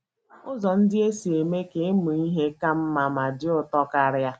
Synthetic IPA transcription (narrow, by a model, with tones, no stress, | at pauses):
ʊ˦zɔ˨n̩˦dɪ˦e˦si˨e˨me˦ke˨˦mu˨i˦ɦe˦ka˦m̩˦ma˨ma˨dɪ˦ʊ˨tɔ˦ka˦ɾja˦